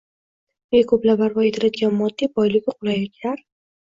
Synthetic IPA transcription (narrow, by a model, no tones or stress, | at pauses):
ekʰɵplabaɾvɒet̪ʰɪɾad̪̚ɡʲanmɒd̪ːibɒjlɪɡʲɪqʰʊɾajakʲʰaɾ